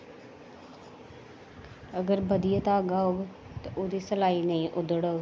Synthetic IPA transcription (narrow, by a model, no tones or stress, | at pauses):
əɡəɾbəd̪ijət̪aːɡaɦoːɡ | t̪aʔoːd̪iːsəlaːiːnəĩːʔʊd̪əɽoːɡ